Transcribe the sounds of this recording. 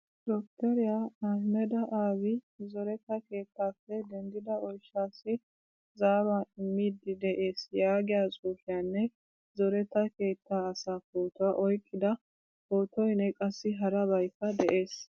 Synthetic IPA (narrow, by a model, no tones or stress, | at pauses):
d̪ɔkt̪ɛɾɪjaɐhmɛd̪ɐʔaːwɪzɔɾɛt̪ːɐke̞ːt̪ːaːfːɛd̪ɛnd̪ɪd̪ɐɔjʃaːsːɪ | zaːwaːɪmːid̪ɪd̪ɛʔeːsjaːɡɪjaːt͡sʼuːfɪjaːnːɛ | zɔɾɛt̪ːɐke̞ːt̪ʰːaːsaːkoːt̪ʊwɐʔɔjkʼːɪd̪ɐ | koːt̪ɔjnɛkʼɐsːɪɦɐɾɐbɐjkːɐd̪ɛʔe̞ːs